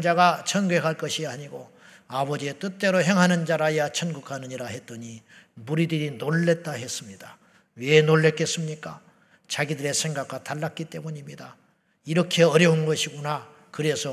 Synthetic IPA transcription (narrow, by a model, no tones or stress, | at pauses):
d͡ʑaɡat͡ɕʰʌnɡekʰaɭk͈ʌɕʰiaɲiɡo | abʌd͡ʑiet͈ɯt͈e̞ɾoɦe̞ŋɦanɯnd͡ʑaɾajat͡ɕʰʌnɡukʰanɯɲiɾaɦe̞t̚t͈ʌɲimuɾidɯɾinoɭːe̞t̚t͈aɦe̞s͈ɯmɲida | we̞noɭːe̞k͈e̞s͈ɯmɲik͈a | t͡ɕaɡidɯɾe̞sʰe̞ŋɡak̚ʰwataɭːak͈it͈e̞muɲimɲida | iɾʌkʰe̞ʌɾjʌunɡʌɕʰiɡona | kɯɾe̞sʰʌ